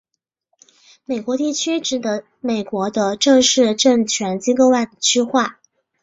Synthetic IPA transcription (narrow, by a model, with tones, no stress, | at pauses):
me˨˩ɪkwɔ˧˥t̪i˥˩t͡ɕʰy˥ʈ͡ʂɻ̩˨˩t̪ɤ˧˥ | me˨˩ɪkwɔ˧˥d̪ə˧ʈ͡ʂɤ˥˧ŋʂɻ̩˥˧ʈ͡ʂɤ˥˩ŋt͡ɕʰɥɛ˧˥nt͡ɕi˥ko˥˧ʊwa˥˩ɪd̪ə˩t͡ɕʰy˥xwa˥˩